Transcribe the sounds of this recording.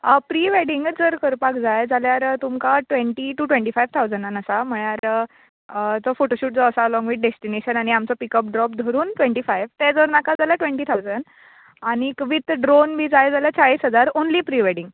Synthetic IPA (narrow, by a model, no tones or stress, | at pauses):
əpɾiʋeɽiŋɡd͡zəɾkəɾpakd͡zajd͡zaljaɾt̪umkaʈʋeɳʈiʈuʈʋẽɳʈiːfajʋt̪ʰawd͡zəɳanəsam̤əɭjaɾ | t͡sɔfoʈoɕuːʈ̚d͡zɔəsalɔ̃ŋɡʋit̪̚ɖesʈineɕənaɽ̃iamt͡sɔpikəp̚ɖɾɔp̚d̪ʱəɾuːnʈʋẽɳʈiːfajʋt̪ɛd͡zəɾnakad͡zaljaʈʋeɳʈiːt̪ʰawd͡zən | aɽ̃ikəʋit̪ɖɾonmiːd͡zajd͡zaljat͡ɕʰaɭiːsɦəd͡zaɾonliːpɾiʋeɽiŋɡ